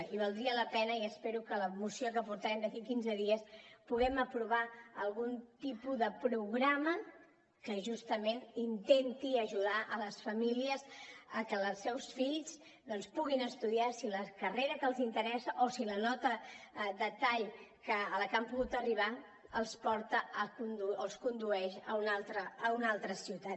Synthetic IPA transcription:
iβəlˠd̪ɾiələpɛnəiəspeɾukələmusiokəpuɾt̪əɾɛmd̪əkikinzəðiəspuɣɛməpɾuβaəlˠɣunt̪ipuðəpɾuɣɾamə | kəʒust̪əmenint̪ɛnt̪iəʒuðaʔələsfəmiliəzəkələsːɛwsfiʎs | d̪ɔnspuɣinəst̪uðiasiləkəreɾəkəlˠzint̪əɾɛsəʔosilənɔt̪əd̪ət̪aʎkəːləkampuɣut̪əriβ̞a | əlˠspɔɾt̪əəkund̪uəlˠskund̪uɛʃəunalˠt̪ɾəːunalˠt̪ɾəsiwt̪a

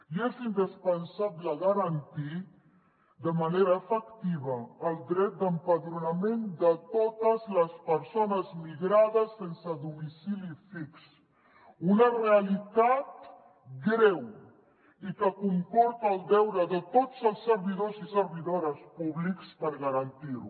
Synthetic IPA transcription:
iezind̪əspənsabləɣaɾant̪i | d̪əmaneɾaəfəkt̪iβəːlˠd̪ɾɛt̪̚d̪əmpəðɾunamend̪ət̪ot̪əzləspəɾsonəzmiɣɾaðəsːensəðumisilifiks | unərealit̪at̪ | ɡɾɛw | ikəkuŋkɔɾt̪aːlˠd̪ɛwɾəðət̪ott͡səlˠsːəɾβiðozisəɾβiðoɾəspuβlikspəɾɣaɾant̪iɾṵ

